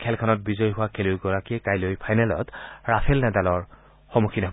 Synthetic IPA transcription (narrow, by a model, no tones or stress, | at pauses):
kʰɛlkʰanɔt̚bizɔjɦʊwakʰelojɡɔɹakikajlojpʰajnɛlɔ̰tɹapʰɛlnɛdalɔɹ | xɔmukʰina